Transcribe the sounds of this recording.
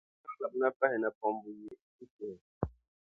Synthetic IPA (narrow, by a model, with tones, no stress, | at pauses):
a˦la˨bna˦pa˦hɛ˨na˨pɔ˨mbu˨je˦ | i˦te˨